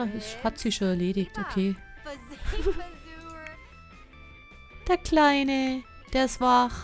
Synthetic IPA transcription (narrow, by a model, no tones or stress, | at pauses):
ɛshatz̥iːʃoːnɛɐleːɾɪçtokʰeː | d̥eːɐkʰl̥aɪnə | d̥eːɐsv̥aχ